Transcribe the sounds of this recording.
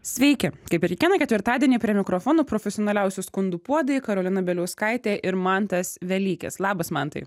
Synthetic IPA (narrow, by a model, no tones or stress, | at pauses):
sʲʋʲɛɪkʲɪkɐɪpʲɪɾkʲɪkʲiɛnɐkʲɛt̪ʲʋʲɪɾt̪ɑːd̪ʲiɛnʲiːpʲɾʲiɛmʲɪkɾofɔːnoːpɾoːfʲɛsʲɪoːnɐlʲɛʊsʲuskʊnd̪uːpuɔd̪ɐjkɐɾolʲɪnɐbʲɛlʲɛʊskɐɪt̪ʲeːʔɪɾmɑnt̪ɐsʋʲɛlʲiːkʲɛ̰slˠɑːbɐsmɐnt̪ɐ̰ɪ